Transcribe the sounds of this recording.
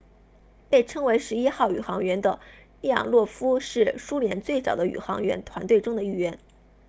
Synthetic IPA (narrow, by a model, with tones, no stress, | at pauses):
pe˥˩ɪʈ͡ʂʰɤ˥ŋwe˧˥ɪʂɻ̩˧˥i˥xɑ˥˩ʊy̰˨˩xɑ˧˥ŋɥɛ˧˥nd̪ə˧ | i˥˩jɑ̰˨˩ŋlwɔ˥˩fu˥ʂɻ̩˥˩ʂu˥ljɛ˧˥nt͡swe˥˩ɪt͡sɑ˨˩ʊd̪ə˦y̰˨˩xɑ˧˥ŋɥɛ̰˧˥nt̪ʰwa˧˥nt̪we˥˩ɪʈ͡ʂʊ˥ŋd̪ə˨˧i˥˩ɥɛ˧˥n